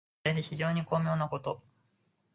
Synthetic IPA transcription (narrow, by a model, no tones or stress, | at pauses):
ed̪eçiʑo̞ːɲ̟iko̞ːmʲo̞ːnako̞t̪o̞